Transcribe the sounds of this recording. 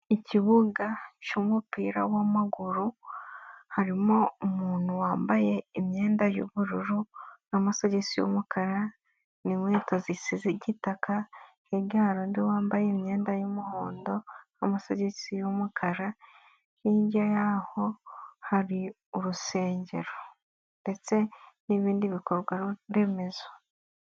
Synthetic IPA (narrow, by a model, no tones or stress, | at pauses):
iciβuɡacomupiːɾawamaɡuɾu | haɾimo̞umuːn̥uwaːmbaje̞imɲe̞ːndajo̰βuɾuɾunamasaɟesijo̰mukʰaɾa | nimweːtazisizeɟitakʰa | heɡaːɾondiwaːmbajemɲe̞ːndajomuho̰ːndo̞ | amasaɟesijomukʰaɾa | ʃiːɲɟajaho̞haɾi | uɾuse̞ːɲɟe̞̰ɾo | nde̞t͡se̞niβiːndiβiko̞ɾɡwaɾɾe̞me̞za